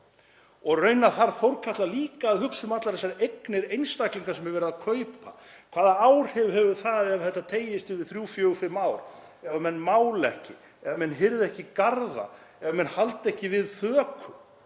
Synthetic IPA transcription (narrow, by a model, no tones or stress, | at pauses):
ɔɣrœɥnaθaɾθowɾkʰat̪laliːkaðhʏksʏmat̪laɾɛsaɾejknɪɾejnst̪akliŋkaɾsɛmhɛvɛɾɪðakʰœɥpa̰ | kʰv̥aːðaawɾ̥hɛvhɛvʏθaðɛvθɛht̪ːat̪ʰeːjɪst̪ɪvɪðθɾjuːfjœːɣʏfɪmːaːwɾ | ɛvamɛnːmaːwlɛhcɪ | ɛvamɛnːɦɪɾðɛhcɪkaɾða̰ | ɛvamɛnhalt̪ɛhcɪvɪðθœːkʰʏ